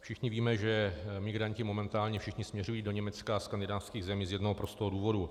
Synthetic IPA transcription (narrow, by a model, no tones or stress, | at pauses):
fʃɪxɲɪviːmɛʒɛmɪɡɾaɲcɪmo̞mɛnt̪aːlɲɛfʃɪxɲɪsmɲɛrujiːdo̞ɲɛmɛt͡skaskandɪdaːfskiːɣzɛmiːzjɛdnoɦopɾost̪oɦoduːvo̞du